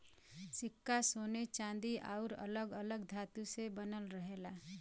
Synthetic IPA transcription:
sɪkːasoːnet͡ʃãːnd̪iʔa̰ʊɾə̰ləɡələɡd̪ʱaːt̪usebənəlɾəɦeːla

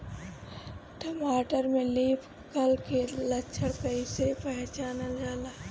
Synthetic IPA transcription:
ʈəmaːʈəɾmẽliːpʰ | kəlkelətːʃʰəɽkɐisepɛɦt͡ʃaːnad͡ʒaːlaː

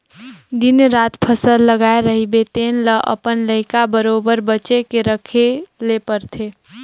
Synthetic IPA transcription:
d̪inɾaːt̪pʰəsəlːəɡaeɾəɦibet̪eːnləʔə̰pənləɦɪkabəɾobəɾbəːt͡ʃekeɾəkʰelepəɾt̪ʰe

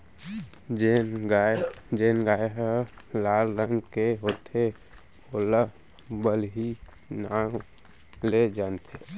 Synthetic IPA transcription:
d͡ʒenɡad͡ʒenɡaːjɦəlaːlɾəŋɡkeɦot̪ʰe | olə | bəlɦi | na | led͡ʒaːnt̪ʰe

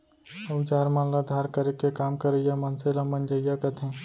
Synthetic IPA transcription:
əʊd͡ʒaːɾmãlɐd̪ʱaːɾkəɾekekaːmkəɾəjamɐnselamənd͡ʒəjakət̪ʰẽː

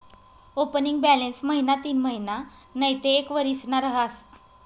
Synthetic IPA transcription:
opəniŋɡ̚bælensməɦinat̪iːnməɦina | nəjt̪eːkʋəɾisnaɾəɦas

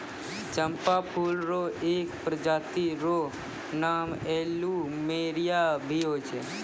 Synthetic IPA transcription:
t͡ʃəmpapʰulɾoekpɾəd͡ʒat̪iɾo | namɛlumeɾijabʱiot͡ʃʰe

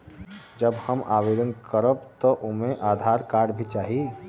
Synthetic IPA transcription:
d͡ʒɐbhɐmʔaːʋɪɾə̃nd̪kəɾoːbt̪oʔʊmẽʔaːd̪ʱaːɾkaːɾɖbʱit͡ʃaːɦi

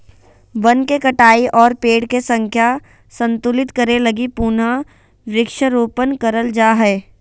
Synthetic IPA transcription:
ʋɐnkekɐʈaːiʔɔːɾpeːɽkesɐ̃ŋkʰja | sɐ̃nt̪ʊlɪt̪kɐɾelɐɡipuna | ʋɾɪkʃəɾuːpənkɐɾəld͡ʒaːɦɛː

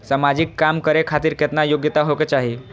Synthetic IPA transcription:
samad͡ʑikːamkəɾekʰat̪iːɾket̪najoɡjət̪aɦoket͡ʃaɦi

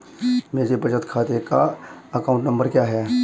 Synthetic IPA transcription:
meːd͡ʒebʱɐt͡ʃət̪kʰaːt̪ekaɐkaːʊ̃ɳʈnɐ̃mbəɾkjaːɦɛː

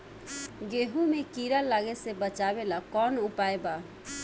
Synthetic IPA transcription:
ɡeɦumekiɾəlaɡesebət͡ʃabelakɔnupaeba

